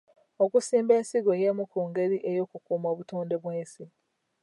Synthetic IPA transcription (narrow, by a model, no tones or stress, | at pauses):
okusiːmbe̞ːnsiɡo̞jemukuːŋɡe̞ɾiʔejo̞ːkukuːmoːβutuːnde̞βweːnsi